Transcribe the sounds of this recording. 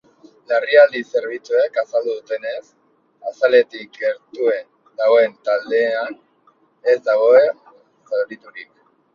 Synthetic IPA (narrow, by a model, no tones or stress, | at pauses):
lariald̪ise̞ɾβ̞it͡sue̞kasald̪uðut̪e̞ne̞s | asale̞t̪ike̞ɾt̪ue̞n | d̪aɣoent̪ald̪e̞an | e̞zd̪aɣ̞o̞e̞ | selβit̪uɾik̚